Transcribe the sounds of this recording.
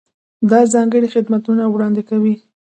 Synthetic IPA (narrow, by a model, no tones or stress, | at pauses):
d̪ɑzɑŋɡəɽixɪd̪mat̪unawɽɑnd̪ɪkawi